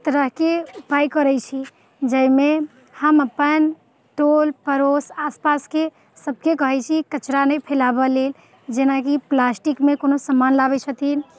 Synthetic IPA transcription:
t̪əɾəɦkeupajkəɾɛt͡ʃʰi | d͡ʒəjme | həməpən | ʈolpəɾosaspaske | səb̚ʱkekəɦɛt͡ʃʰikət͡ʃɾanɛpʰelabəlel | d͡ʒenakiplasʈikmekonosəmanlabɛt͡ʃʰət̪in

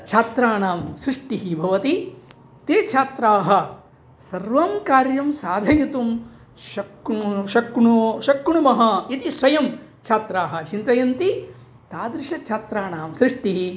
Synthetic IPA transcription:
t͡ʃʰaːt̪ɾaːɳaːmsɾɪʂʈiɦibʱɐʋɐt̪i | t̪eːt͡ʃʰaːt̪ɾaːɦɐ̆ | sɐɾʋɐmkaːɾjɐmsaːd̪ʱɐjɐt̪um | ʃɐkʃɐkɳuʃɐkɳumɐɦɐit̪isʋɐjɐmt͡ʃʰaːt̪ɾaːɦɐ̆t͡ʃint̪ɐjɐnt̪i | t̪aːd̪ɾɪʂɐt͡ʃʰaːt̪ɾaːnaːmsɾiʂʈiɦi

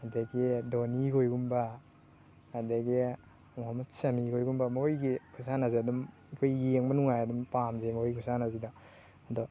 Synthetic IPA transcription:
adeɡidoniɡʰojɡumba | adeɡi | mɔɦamɐtsamiɡojɡumbamɔɔjɡikʰusanazeadum | ikʰojːeŋbanuŋajadumpamzemɔɔjkʰusanazida | adɔ

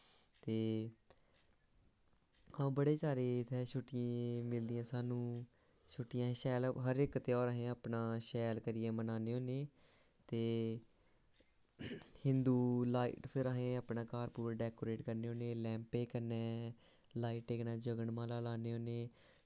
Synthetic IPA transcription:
t̪eː | ãbəɽeːsaːɾeːt̪ʰɛːʃʰʊʈːɪẽmɪld̪ɪjãːsaːnũː | ʃʰʊʈːɪjãːʃɛːlɦəɾɪkt̪eɔːɾaːɦẽːaːpnaːʃɛːlkəɾɪjeːmənaːneːoːneː | t̪eː | hɪ̃nd̪uːlaːḭːʈpʰɪɾaːɦẽːaːpnãːkaːɾpuːɾaːɖɛːkoːɾeːʈkəɾneːɦoːneːlɛ̃ːmpeːkəɾnɛ̃ː | laːiːʈeɡnãːd͡ʒəɡəɳmãːlaːlaːneːoːneː

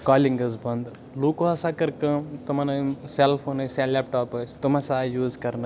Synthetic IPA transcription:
kaːliŋɡɐzbɐnd̪ | lukoɐsakɐɾkɐ̃t̪ɐmɐnɐseːlpʰoːnɐselːeːp̚ʈaːpɐt͡ʃʰt̪ɐmɐsaːjuːzkɐɾnɐ

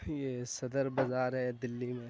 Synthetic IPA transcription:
jeːsɐd̪əɾbɐzaːɾɦɛd̪ɪlːimẽ

